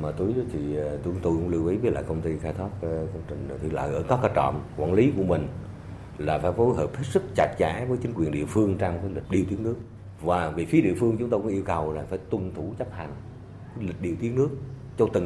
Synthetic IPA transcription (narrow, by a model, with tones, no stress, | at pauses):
maː˨˩t̪u˨˦jɗt̪ʰi˨˩t̪ŋ͡mt̪o˧jkʊ̰˧˥ŋ͡mlɨ˧wʔi˨˦ɓi˦˥t̚la̰ː˨˩kə˧wŋ͡mt̪i˧xaː˧jt̪ʰwaː˦˥p̚ːkə˧wŋ͡mt͡ɕï˨˩ŋ̟˨˩t̪ʰi˨˩lə̰ː˧˨jʔəː˧˩kɔː˨˦kaː˧˩t͡ɕɔ̰˧˨mkwaː˧˩nli˨˦ku˧˩əmï˨˩ŋ̟ | laː˨˩faː˧˩jfo˨˦jɦəː˨˩p̚he˦˥t̚sɨ˦˥k̚t͡ɕa˨˩jt̚za̰ː˧˩˦vəː˨˦jt͡ɕi˨˦ŋ̟kwi˨˩ənɗḭ˧˨əfɨ˧əŋt͡ɕa˧mkəː˨˦lï˨˩k̟̚ɗi˧əwt̪i˨˦ənɨ˦˥ək̚ | vaː˨˩vi˨˩fi˨˦əɗḭ˧˨əfɨ˧əŋt͡ɕʊ˨˦ŋ͡mt̪o˧kʊ̰˧˦ʔi˧əwkə˨˩wlaː˨˩faː˧˩jt̪wə˧˩nt̪ʰu˧˩t͡ɕa˦˥p̚ha˨˩ŋ̟ː˨˦ | lï̟˨˩ɗi˧əwt̪i˨˦əŋ̚nɨ˦˥ək̚ | t͡ɕɔ˧t̪ɨ˨˩ŋ